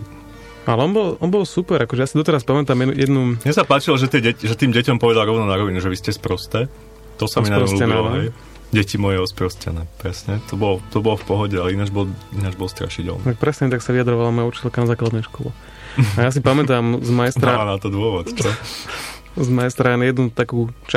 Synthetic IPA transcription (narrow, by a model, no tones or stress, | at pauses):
ʔalɛɔnbɔlʔɔnbɔlsupɛɾakɔʒɛjasid̪ɔt̪ɛɾaspamɛt̪aːmjɛjɛd̪numɪɛsapaːt͡ʃilɔʒɛt̪ɪɛɟɛʒɛt̪iːmɟɛcɔmpɔʋɛd̪alɾɔʊnɔnaɾɔʋinuʒɛʋiscɛspɾɔst̪ɛː | t̪ɔsamiinaɲɔluɛnɛlɔɦɛj | ɟɛcimɔjɛɔspɾɔscɛ̰nɛːpɾɛsɲɛt̪ɔbɔlɔt̪ɔbɔlɔfpɔɦɔɟɛalɛinad͡ʒbɔlinad͡ʒbɔlst̪ɾa̰ʃiɟɛ̰lnt̪ak̚pɾɛsɲɛt̪aksaʋiad̪ɾɔʋalamɔjut͡ʃi̥tɛlkanazaːklad̪nɛjʃkɔlɛ̰ | ajas̬ipamɛt̪aːmzmajst̪ɾanat̪ɔd̪ʊɔʋɔt̪t͡ʃɔ | zmajst̪ɾanjɛd̪nut̪akuːt͡ʃ